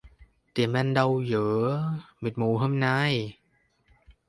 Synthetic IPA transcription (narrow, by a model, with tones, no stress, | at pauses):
t̪i˨˩əmʔɛ˧nɗa˧wjɯː˨˩˦mi˨˩t̪̚mu˨˦ɦəː˧mna˧j